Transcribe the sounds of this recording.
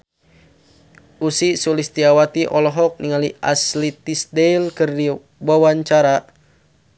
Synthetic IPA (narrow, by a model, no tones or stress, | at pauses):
usisulist̪iawat̪iʔɔlɔɦɔk̚niŋaliʔa̰slit̪isdeilkɨrdi | wawaɲt͡ʃaɾa